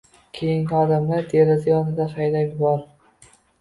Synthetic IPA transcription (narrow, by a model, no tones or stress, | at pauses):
kʲʰejɪŋɒd̪amlaɾd̪eɾazajɒnɪd̪aχajd̪amjʊbɒɾ